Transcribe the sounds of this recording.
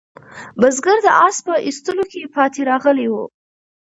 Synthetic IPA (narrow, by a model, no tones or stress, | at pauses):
bəzɡəɾd̪əʔɑspəʔist̪əlokepɑt̪eɾɑɣəlewṵ